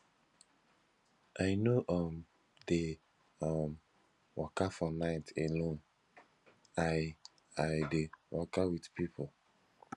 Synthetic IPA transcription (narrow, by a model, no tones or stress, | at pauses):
ʔajnoʔɔm | de | am | wɔ̰kafɔnaɪtʰelõn | a | ajdewɔkawidpipʰo